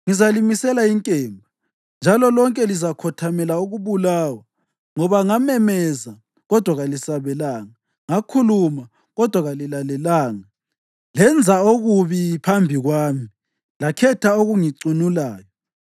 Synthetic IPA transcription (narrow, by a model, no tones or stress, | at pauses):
ŋizalimisɛlaiŋkʼɛːmbʱa | nd͡ʒʱalɔlɔŋkʼɛlizakʰɔtʰamɛlauɣuβulaːwa | ŋɔβaŋamɛmɛza | ɣɔd̥ʱwaɣalisaβɛlaːŋa | ŋakʰuluma | ɣɔd̥ʱwaɣalilalɛlaːŋa | lɛnd͡zʱaoɣuβipʰambʱiɣwaːmi | lakʰɛtʰaoɣuŋiǀinulaːjɔ